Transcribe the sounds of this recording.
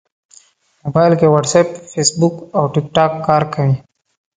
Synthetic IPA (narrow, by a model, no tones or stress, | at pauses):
mobaːɪlkewəʈseːpfeːsbukɔːʈɪk̚ʈaːkːaːɾkɐĩː